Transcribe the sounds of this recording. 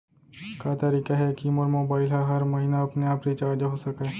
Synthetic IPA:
kaːt̪ɐɾiːkaɦɛkiːmɔːɾmoːbaːɪlɦaɦɐɾmɐɦiːnaɐpneaːpɾit͡ʃaːɾd͡ʒaɦosɐkaː

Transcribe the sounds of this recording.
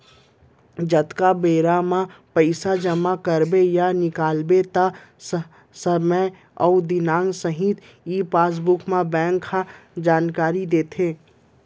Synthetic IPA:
d͡ʒɐt̪kabeːɾamãpəɪsad͡ʒəmakəɾbejanɪkaːlbet̪a | səmə | ɔːd̪ɪnaːŋɡsəɦit̪ | iːpaːs̬bʊkmãbɛ̃ːŋkʰːad͡ʒaːnkaːɾid̪eːt̪ʰeː

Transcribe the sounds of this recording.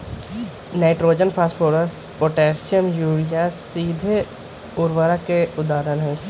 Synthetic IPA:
naːɪʈɾoːd͡ʒənpʰaːspʰoːɾəspoːʈɛːɾsijəmjuːɽijasiːd̪ʱe | ʊɾʋaɾakeʊd̪aːd̪ənɦɛ̃

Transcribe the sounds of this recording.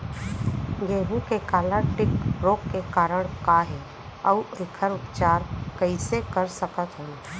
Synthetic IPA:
jeːɦũkekaːləʈɪkɾoːkːekaːɾəɽ̃kaɦɛ | əuɪkʰəɾʊpt͡ʃaːɾkəɪsekəɾsəkət̪ɦə̃n

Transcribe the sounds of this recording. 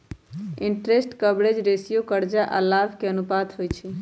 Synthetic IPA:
iɳʈɾesʈkəbɾed͡ʒɾesijokəɾd͡ʒaʔə̰labkeənupat̪ɦojt͡ʃʰi

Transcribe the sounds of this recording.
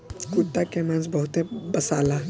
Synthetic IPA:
kuʈːakemãnsbɐɦʊt̪ẽbɐsaːla

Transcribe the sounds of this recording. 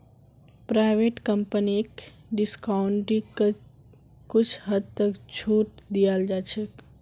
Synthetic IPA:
pɾaːʋeːʈkəmpənik | ɖɪskaʊɳʈĩ | kʊt͡ʃʰɦəd̪̚t̪əkt͡ʃʰuːʈd̪ijaːld͡ʒat͡ʃʰek

